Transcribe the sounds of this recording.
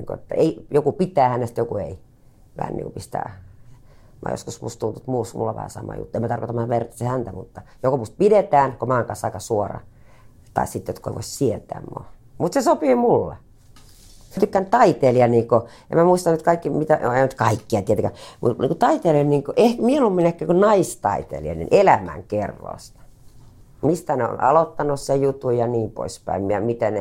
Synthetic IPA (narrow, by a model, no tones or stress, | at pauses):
iːŋko̰ḛt̪ːæ̰eijokupit̪æːhænːest̪jokuḛi | ʋæ̰hæ̰nːḭːŋkupist̪æ̰ː | mo̰ːjo̰skusmṵst̪unt̪ut̪muːsmulːɑʋæ̰hæ̰sɑ̰mɑ̰jṵt̪ːemːæt̪ɑrkot̪ɑmɑʋert̪ːɑsehænt̪æmut̪ːɑjokomust̪̚pidet̪æːnkomɑːŋkɑnsːɑikɑsuorɑ̰ | t̪ɑ̰issit̪ːjot̪koḛʋo̰issiet̪æ̰ːmmo̰ | mut̪sesopiːmulːɑ̰ | st̪ykːænt̪ɑit̪eːliɑniːko | ʔḛmæmuist̪ɑnyt̪kɑikːimit̪æenyt̪kɑikːiɑt̪iet̪eŋkæmṵt̪nḭŋkut̪ɑit̪eːlenniːŋkoʔehkmieolumːinekːæːkunɑist̪ɑ̰it̪ḛliɑ̰nḭnʔelæmæ̰ŋkerːo̰st̪ɑ̥ | mist̪æneo̰nɑ̰lot̪ːɑnussejut̪ːujɑniːmpo̰ispæ̰immiɑmit̪ene